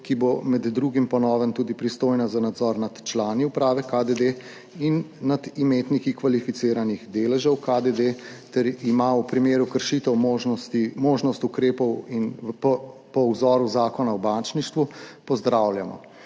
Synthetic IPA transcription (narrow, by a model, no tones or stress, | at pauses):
kibomɛd̪ːɾuːɡimpɔnɔːʋənt̪uːd̪ipɾist̪oːjnazanad̪zɔɾnat̪t͡ʃlaːniupɾaːʋɛkad̪ed̪e | inːad̪imeːt̪nikikʋalifit̪seːɾaniɣd̪eːlɛʒəwkad̪ed̪et̪ɛɾimaupɾimeːɾukəɾʃit̪əwmoʒɔst̪imoːʒnɔst̪ukɾeːpɔwinɔpɔwzɔːɾuzaːkɔnawbant͡ʃniʃt̪ʋupɔzd̪ɾawlja̰mɔ̰